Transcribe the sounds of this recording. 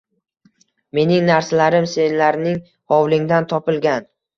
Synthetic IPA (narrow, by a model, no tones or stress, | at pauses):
me̞nɪŋnaɾsalaɾɪmse̞nlaɾnɪŋ | hɒwlɪŋd̪ant̪ʰɒpɪlˠɡʲan